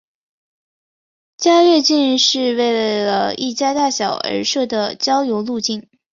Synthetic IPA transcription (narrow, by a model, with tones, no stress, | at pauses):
t͡ɕja˥ɥɛ˥˧t͡ɕi˥˧n˥˧ʂɻ̩˥˧we˥˩ɪlə˩lə˩i˥˩t͡ɕja˥t̪a˥˩ɕjɑ˨˩ʊə̰˧˥ʂɤ˥˩d̪ə˩t͡ɕjɑ˥ʊjo˧˥ʊlu˥˧t͡ɕi˥˩n